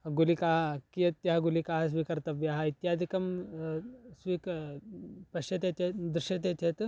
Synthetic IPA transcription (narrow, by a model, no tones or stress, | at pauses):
ɡulikaɦakijɐt̪ːjaɦaɡulikaɦas̬ʋikɐɾt̪ɐbjaɦait̪jad̪ʱikɐm | sʋik | pɐɕɐt̪et̪ed̪ɾuɕɐt̪̬et̪jet̪